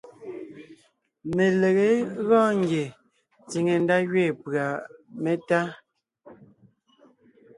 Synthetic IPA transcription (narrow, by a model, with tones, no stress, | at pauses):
me˨le˨ɣe˨˦ɣɔ̃ː˦˨ŋɡje˨ | t͡si˨ŋe˨n̩˦da˦ɣɥɛː˦˨pɰa˨me˦ta˦